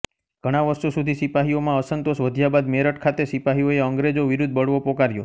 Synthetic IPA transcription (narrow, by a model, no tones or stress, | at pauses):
ɡ̥ʱəɽ̃aʋəɾʃosud̪ʱisipaɦiomãəsənt̪oʃʋəd̪ʱjabad̪meɾəʈkʰat̪esipaɦioeəŋɡɾed͡ʒoʋiɾud̪̚ʱbəɽʋopokaɾjo